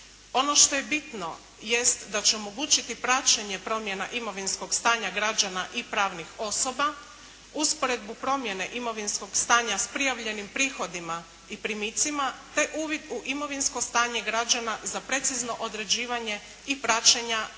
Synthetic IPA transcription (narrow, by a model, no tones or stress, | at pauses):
o̞no̞ʃt̪o̞jebit̪no̞ | jest̪d̪at͡ɕeomo̞ɡuːt͡ʃit̪ipɾat͡ʃaɲe̞pɾo̞mje̞naʔimo̞ʋinsko̞ɡst̪aːɲaɡɾad͡ʒanaʔipɾaːʋnixo̞so̞ba | uspo̞ɾe̞d̪̚bupɾo̞mjene̞ʔimo̞ʋinsko̞ɡst̪aːɲaspɾijaʋʎe̞nimpɾiːxo̞d̪ima | ipɾimit̪simat̪e̞ʔuːʋid̪uʔimo̞ʋinsko̞st̪aːɲe̞ɡɾad͡ʒanazapɾe̞t̪sizno̞ʔod̪ɾe̞d͡ʑiːʋaɲe̞ | ipɾat͡ʃaɲa